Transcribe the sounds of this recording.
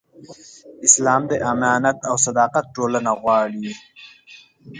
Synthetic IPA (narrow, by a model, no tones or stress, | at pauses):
ɪslɑːmd̪əʔamɑːnat̪awsɐd̪ɑːqat̪̚ʈoːlənaɣwɑːɽi